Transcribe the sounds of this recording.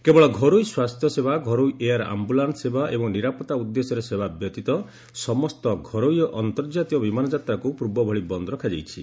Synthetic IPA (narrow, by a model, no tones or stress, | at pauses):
kebɔɭɔɡʱɔɾujswast̪ʰjɔsebaɡʱɔɾojeaɾa̰mbulansebʱaʔebɔŋniɾapɔt̪aud̪ːesɔɾesebʱabjɔt̪it̪ɔ | sɔmɔst̪ɔɡʱɔɾojjɔʔɔnt̪ɔɾd͡ʒat̪iɔbimanɔd͡ʒat̪ɾakupɾuɾbɔbʱɔɭibɔnd̪ɔɾɔkʰad͡ʒejt͡ʃʰi